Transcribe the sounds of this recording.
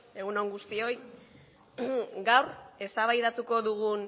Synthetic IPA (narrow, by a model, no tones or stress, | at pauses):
e̞ɣuno̞ŋɡust̪io̞j | ɡawre̞st̪aβajðat̪uko̞ðuɣ̞un